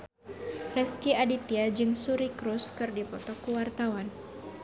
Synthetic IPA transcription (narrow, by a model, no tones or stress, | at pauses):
rɛskiadit̪iad͡ʒɨŋsuɾikɾuskɨrdipɔt̪ɔkuwart̪awan